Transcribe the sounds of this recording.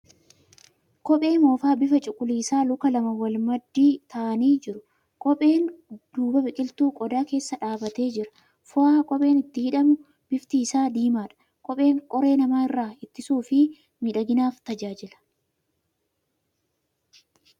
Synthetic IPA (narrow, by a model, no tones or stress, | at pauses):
kɔpʼe̞ːmo̞ːfaːbɪfɐt͡ʃʼʊkʼʊliːsaːlʊkɐlɐmɐwɐlmɐd̪ːiːt̪ɐʔɐniːd͡ʒɪɾʊ | kʼɔpʼe̞ːnd̪̥uːbɐbɪkʼɪlt̪uːkʼɔd̪aːke̞ːsːɐᶑaːbɐt̪e̞ːd͡ʒɪɾɐ̥ | fʊaːkʼɔpʼe̞ːnɪt̪ːɪhɪᶑɐmʊ | b̥ɪft̪iːsaːd̪iːmaːᶑɐ̥ | kʼɔpʼe̞ːŋkʼɔɾe̞ːnɐmaːɪrːaːɪt̪ːɪsuːfɪ | mɪᶑɐɡɪnaːft̪ɐd͡ʒaːd͡ʒɪlɐ̥